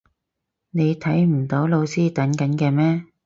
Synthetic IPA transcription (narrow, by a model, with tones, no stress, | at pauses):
ne˨˧jt̪ʰɐ˨˥jm̩˨˩t̪o˨˥wlo˧wsiː˥t̪ɐ˨˥nkɐ˨˥nkɛː˧mɛː˥